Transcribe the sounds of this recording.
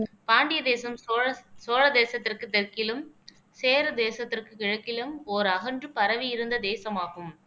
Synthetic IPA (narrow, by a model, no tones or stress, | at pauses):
paːɳɖɪjɐd̪eːsɐmsoːɻɐd̪eːsɐt̪ːɪrkɯt̪ɛrkɪlɯm | seːɾɯd̪eːsɐt̪ːɪrkɯkɪɻɐkːɪlɯmoɾɐɣɐɳdrɯpɐɾɐʋijɪɾɯnd̪ɐd̪eːsɐmaːɣɯm